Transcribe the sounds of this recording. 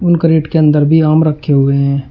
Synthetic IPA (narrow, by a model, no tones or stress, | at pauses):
ʊnkəɾeːʈkeɐ̃nd̪əɾbʱiaːmɾəkʰːeɦʊeɦɛ̃ː